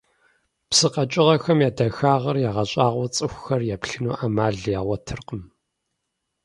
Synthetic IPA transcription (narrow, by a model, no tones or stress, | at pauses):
psɨqɐt͡ʃʼɪʁɐxɐmjaːdɐxaːʁɐrjaːʁɐɕʼaːʁʷɔt͡sʼɨxʷxɐrjaːpɬɨnuːʔaːmaːɮjaːʁʷɐtʰɨrqəm